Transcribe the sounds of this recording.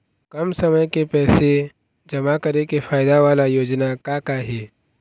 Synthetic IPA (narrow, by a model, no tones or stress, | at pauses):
kɐmsɐməjkepɛːse | d͡ʒɐmakɐɾekefʰaːɪd̪aʋaːlajoːd͡ʒnakakaɦɛː